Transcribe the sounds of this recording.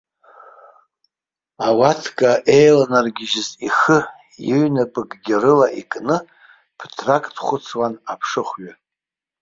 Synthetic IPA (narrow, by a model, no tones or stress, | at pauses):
awatʰkʼaʔe̞jlanarɡʲɪʒɪziχɨ | jiɥnapʼɨɡɡʲɪrɨlaʔikʼnɨ | pʰtʰrakʼtʰχʷʊt͡sʰwanapʰʂɨχʷɥa